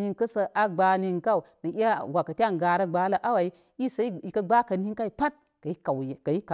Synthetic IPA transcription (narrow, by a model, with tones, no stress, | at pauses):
i˨ŋkɐ˦sə˨ʔa˦ɡ͡ba˨ni˨ŋka˦u˨nə˨i˦a˦wa˨kɐ˨tʲa˦˨ŋ˨ɡa˨ɾɐ˦ɡ͡ba˨˦la˨ʔa˦wa˨i˦ | i˦sa˦i˨kɐ˦ɡ͡ba˦kɐ˨ni˦ŋka˦i˨pa˦t̚ | ka˨i˦ka˨wjka˨ji˦ka˨